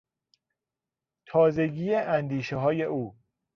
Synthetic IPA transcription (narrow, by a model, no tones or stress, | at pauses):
t̪ʰɒːze̞ɟiːeʔænd̪iːʃeɦɒːje̞ʔuː